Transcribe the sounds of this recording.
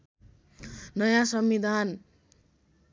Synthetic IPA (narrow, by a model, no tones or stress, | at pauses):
nʌjãsʌmːid̪ʱan